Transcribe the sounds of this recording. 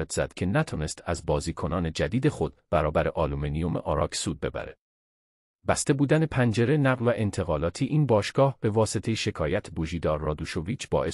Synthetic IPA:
ed̪z̥æ̰d̪̥cʰe̞næt̪ʰɒːne̞st̪ʰæzbɒːziːkʰo̞nɒːne̞d͡ʒæd̪iːd̪e̞xo̞d̪̥b̥æɾɒːbæɾe̞ʔɒːlumenijo̞meʔɒɾɒ̰ːcʰsuːd̪̚be̞̰bæ̰ɾḛ | bæst̪e̞buːd̪æne̞pʰænd͡ʒe̞ɾe̞næɣlvæʔent̪ʰe̞ɣɒːlɒːt̪ʰiːʔiːnbɒːʃɡ̥ɒːhb̥e̞vɒːse̞t̪ʰe̞jeʃe̞kʰɒːjæt̪ʰboʒiːd̪ɒːɾːɒːd̪uʃo̞viːt͡ʃʰb̥ɒ̰ːʔe

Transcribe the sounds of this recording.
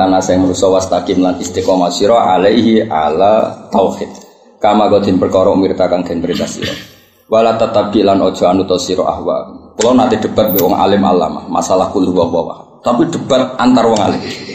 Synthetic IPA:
anasaɛŋməɾusɔwast̪akimlanist̪ikɔmasiɾɔʔalaiɦiʔa̰lat̪auhɪt̪̚ | kamaɡɔd̪ʰinpərkɔɾɔmiɾit̪akankɛnbɾit̪asḭɾɔ̰ | walat̪at̪ab̚ɡilanɔd͡ʒɔanut̪ɔsiɾɔ̰ʔa̰hwa̰kulawnant̪idəbat̪̚bɛwɔŋa̰lɪmʔa̰la̰ma̰hma̰salahkulhbabawa̰h | t̪apidəbat̪̚ant̪arwɔŋa̰lɪ

